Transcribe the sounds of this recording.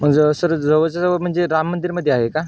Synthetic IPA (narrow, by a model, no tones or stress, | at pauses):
m̤əɡd͡zəsəɾd͡zəʋət͡sasəʋəm̤əɳd͡zeɾamːənd̪iɾməd̪ʱːjeaɦeka